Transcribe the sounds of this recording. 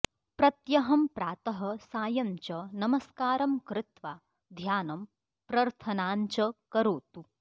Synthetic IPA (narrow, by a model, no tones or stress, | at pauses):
pɾɐt̪jɐɦɐmpɾaːt̪ɐɦɐ̆saːjɐɲt͡ʃɐnɐmɐskaːɾɐmkɾɪt̪ʋaː | d̪ʱjaːnɐm | pɾɐɾt̪ʰɐnaːɲt͡ʃɐkɐɾoːt̪u